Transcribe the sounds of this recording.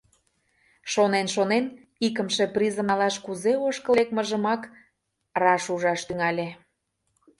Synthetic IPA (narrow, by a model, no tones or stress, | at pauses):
ʃonenʃonen | ikə̆mʃĕprʲizə̆nɑlɑʃkuzeoʃkəlek̚məʒəmɑk | rɑʃuʒɑʃt̪yŋɑlʲe